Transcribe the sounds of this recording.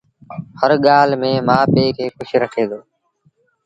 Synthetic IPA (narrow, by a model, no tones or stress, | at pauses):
həɾɠaːlmẽːmãːpeːkʰeːkʊʃʰɾəkʰeːd̪oː